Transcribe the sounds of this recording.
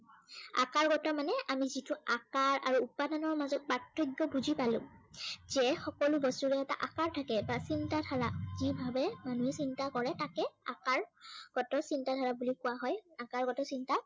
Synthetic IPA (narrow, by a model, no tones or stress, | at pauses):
a̰kaɹɡɔtɔmanɛʔamizitʊakaɹa̰ɹuːpadanɔɹmazɔt̚patʰːɹɔɡɔbuzipalʊ̰̃zɛxɔkɔlʊbɔstuɹɛɛta̰ʔakaɹtʰakɛbasintadʰʱaɹazibʱabɛmanuɛsintakɔɹɛtakɛa̰kaɹɡ̥ɔtɔsintadʰʱaɹabulikʊwaɦɔjakaɹɡɔtɔsinta